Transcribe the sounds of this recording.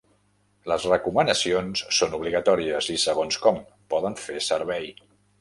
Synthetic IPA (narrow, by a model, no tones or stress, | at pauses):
ləzrəkumənəsionsːonuβ̞liɣət̪ɔɾiəzisəɣ̞onskɔm | pɔðəɱfesəɾβɛj